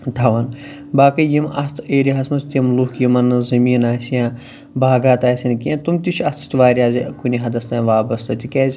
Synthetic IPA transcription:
d̪ʰɐʋɐn | baːkɐjimʔɐst̪ʰeːɾiɦɐsmɐst̪ʲimlukjimɐnɨzɐmiːnaːsijãː | baːɡaːt̪aːsʲinkiãt̪umt̪it͡ʃʰɐt̪i̥t̪ʲʋaːɾʲijaːzʲikunʲiɦɐd̪ɐst̪aːʋaːbɐst̪ɐt̪ʲikeːzʲ

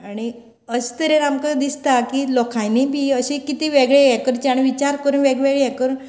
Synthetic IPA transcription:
aɽ̃i | əst̪əɾenamkəd̪ist̪akilɔkʰajnibʱiːəɕikit̪iʋeɡɭejɛkəɾt͡ɕaɽ̃iʋit͡ɕaɾkəɾuːnʋeɡʋeɡɭejɛkəɾuːn

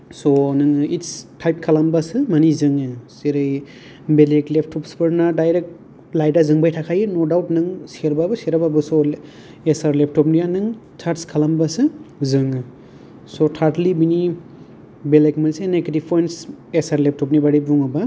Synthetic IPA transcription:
sɔnɯŋitstʰajp̚kʰalambasɯmanizɯŋɯseɾɯj | beleklep̚ʰtʰɔpspɯɾnadajɾek̚t | lajdazɯŋbajtʰakʰajɯnodawtnɯŋseɾbabɯseɾababɯsɔ | esaɾlep̚ʰtʰɔpnijanɯŋ | t͡ʃʰaɾtskʰalambasɯzɯŋɯ | sotʰaɾtlibini | belekmansenektipʰojnsesaɾlep̚tʰɔpnibaɾibuŋaba

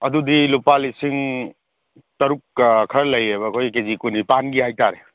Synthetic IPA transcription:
ɐdudilupalisiŋ | tɐɾuk̚ːkʰɐɾlɐjebɐkʰojkezikunipanɡiɦajtaɾe

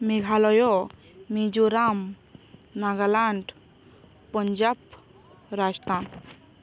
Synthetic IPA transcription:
miɡʱalɔjo | mid͡ʒuɾaːm | naːɡalaɳɖ | pəɲd͡ʒaːp | ɾaːd͡ʒt̪ãːn

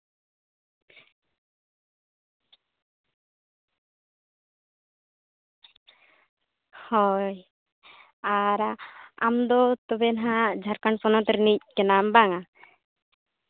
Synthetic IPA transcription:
hɔj | aɾaa̰md̪ɔt̪ɔbɛnɦad͡ʒʱaɾkaɳpɔnɔt̪ɾnic̚kɛnambaŋa

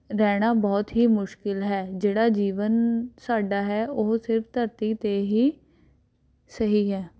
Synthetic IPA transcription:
ɾɛːɽ̃aːbɔːt̪ɦiːmʊʃkɪlɦɛːd͡ʒeːɽaːd͡ʒiːʋənsaːɖaːɦɛːoːsɪɾfʰt̪əɾt̪iːt̪eːɦiː | səɦiːɦɛː

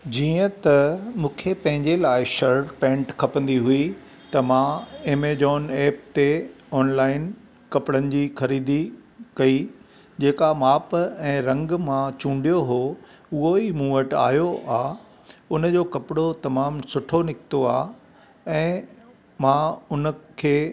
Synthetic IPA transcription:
d͡ʑiːə̃t̪ɐmũːkʰepɐ̃ɦɪ̃ɲd͡ʑelaːɪʃɐɾɾpɛ̃ːɳʈkʰɐpə̃n̆d̪iɦui | t̪ɐmãeːmed͡ʑɔːneːp̚t̪e | ɔːnlaːɪn | kɐpɪɽənɪ̆d͡ʑiːxɐɾiːd̪ikɐi | d͡ʑeːkamaːpɛ̃ːɾɐ̃ŋɡmãt͡ɕũːɳɖijoɦo | ʊɦoimũːəʈa̰ːɦjoaː | ʊnd͡ʑoːkɐpɪɽot̪ɐmaːmsʊʈʰonɪkʰɪ̥t̪oaː | ɛ̃ː | mãʊnəkʰeː

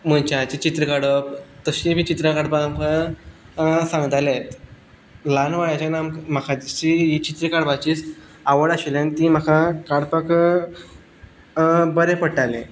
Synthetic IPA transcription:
m̤ənt͡ɕat͡ɕit͡ɕit̪ɾəkaɽəp̚t̪əɕĩmit͡ɕit̪ɾakaɽbamka | sãŋɡət̪alat̪ | lanʋaɭat͡ɕanamkm̤akʰait͡ɕijit͡ɕit̪ɾəkaɽbat͡ɕiːs | aʋəɽaɕilanit̪im̤əkʰakaɽpək | bəɾepəɽʈalḛ̃

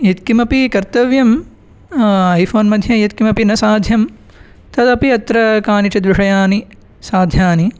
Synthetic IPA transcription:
jit̪kimɐpikɐɾt̪ɐʋjɐm | ɐjfʰoːnmɐd̪ʱjɐjɐt̪̚kimɐpinɐsaːd̪ʱjɐm | t̪ɐt̪ɐpiɐt̪ɾɐkaːnit͡ʃɐd̪ʋiʂɐjaːni | saːd̪ʱjaːni

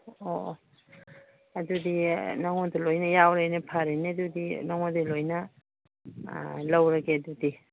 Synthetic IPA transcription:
o | ɐdudinɐŋodulojnɐjawɾejnepʰaɾenedudinaŋodilojnɐ | lɐwɾɐɡeɐdudi

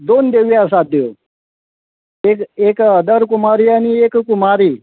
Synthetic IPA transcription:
d̪ond̪eʋiasad̪eo | ekekəd̪əɾkumaɾiːañiekkumaɾiː

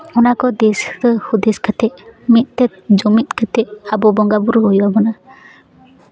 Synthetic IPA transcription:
ɔnakɔd̪esəhud̪ɛskat̪ɛʔmit̪̚t̪ɛt̪̚d͡ʒɔmit̪̚kat̪ɛʔabɔbɔŋɡabuɾɦɔjuwabɔna

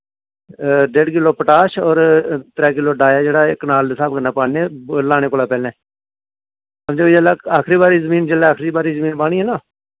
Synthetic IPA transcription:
ɖeːɖk̬ɪloːpəʈaːʃɔːɾt̪ɾɛːk̬ɪloːɖaːjaːd͡ʒeːɽaːkənaːlsaːb̚kənaːpaːɽeːlaːñeːkʊːlaːpɛːlnɛ̃ː | əmd͡ʒoːid͡ʒəlaːaːkʰɾiːbaːɾiːzəmĩːnd͡ʒəleːaːkʰɾiːbaːɾiːzəmĩːnpaːɽ̃iːɦɛːnãː

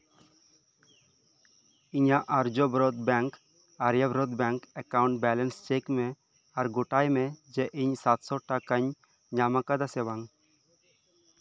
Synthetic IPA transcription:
iɲaʔɐɾd͡ʒobɾɔd̪bɛŋk | aɾjabɾod̪bɛŋkɛkawɳʈ̚bɛlɛnst͡ʃekme | aɾɡoʈajmed͡ʒeʔiɲsat̪sɔʈakəɲ | ɲamakad̪asewaŋ

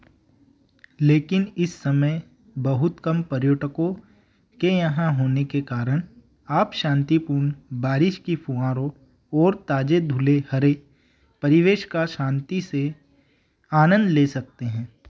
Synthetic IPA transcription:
leːkɪnɪsːɐməj | bɐɦʊt̪kɐmpɐɾjoːʈəkõ | kejɐɦãɦoːnekekaːɾəɽ̃ | aːpʃãːnt̪ipuːɾnbaːɾɪʃkifuãːɾõ | ɔːɾt̪aːd͡ʒed̪ʱʊlehɐɾe | pɐɾɪʋeːʃkaʃãːnt̪ise | aːnə̃nd̪leːsɐk̚t̪eɦɛ̃ː

